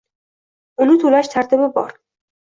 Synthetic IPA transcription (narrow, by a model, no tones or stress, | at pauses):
unut̪ʰulæʃt̪ʰæɾd̪ʰebebɒ̰ːɾ